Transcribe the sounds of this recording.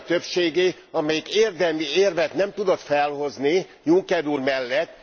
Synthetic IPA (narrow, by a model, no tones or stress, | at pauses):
t̪øpʃeːɡeː | ɒmɛjikeːrd̪ɛlmieːrvɛt̪nɛmt̪ud̪o̞t̪fɛlho̞znijuŋkɛɾurmɛlːɛt̪ː